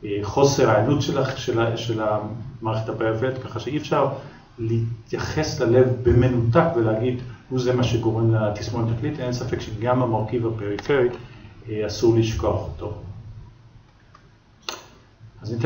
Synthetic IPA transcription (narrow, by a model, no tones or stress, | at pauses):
χo̞seʁaanutʃelaʃeʃelamaːʁeχethabajaofet̪kaχaʃeiefʃaʁ | litjaχe̞slale̞vbeme̞nutakveleaɡid̪huzemaʃeɡo̞ʁemlat̪ismonat̪aklit̪ensafekʃeɡamamaʁkivape̞ʁife̞ʁi | asuʁliʃko̞aχoto | azanit